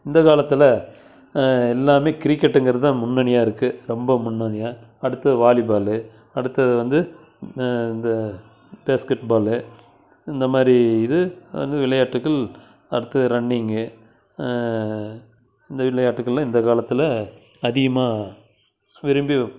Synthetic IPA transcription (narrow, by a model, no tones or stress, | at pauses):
ɪnd̪ɐkaːlɐt̪ːɪlɐ | ɛlːaːmeːkɪɾikːɛʈːɛŋɡɪɾɐðɯt̪ãːmʊnːɐɳɪjaːɪɾɯkːɯɾɔmbɐmʊnːɐɳɪjaː | ɐɽɯt̪ːɐɯʋaːlɪbaːlɯ | ɐɽɯt̪ːɐðɯʋɐnd̪ɯ | ɪnd̪ɐ | b̥eːskɛʈbaːlɯ | ɪnd̪ɐmaːd̪ɾiɪðɯʋɐ̰nd̪ɯʋɪlɐjaːʈːɯkːɐɭ | ɐ̰ɽɯt̪ːɐðɾɐɳːɪŋɡɯ | ɪnd̪ɐʋɪɭɐjaːʈːɯkːɐɭlãːɪnd̪ɐkaːlɐt̪ːɯlɐ | ɐðɪɣɐmaː | ʋɪɾɯmbi